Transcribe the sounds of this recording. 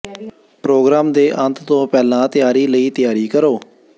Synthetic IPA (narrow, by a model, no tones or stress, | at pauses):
pɾoːɡɾaːmd̪eːʔənt̪t̪õːpɛːlãːt̪ɪjaːɾiːləiːt̪ɪjaːɾiːkəɾoː